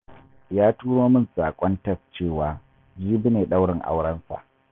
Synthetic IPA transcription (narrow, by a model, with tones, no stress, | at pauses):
jaː˦tuː˦ɽoː˦mɪ˦nsaː˨kʷʼɔ˦ntɐ˦st͡ʃeː˦˨waː˨ | d͡ʒiː˦bɪ˦neː˨ɗa˦wɽɪ˨ŋʔa̰˦wɽɐ˦nsa̰˨ʔ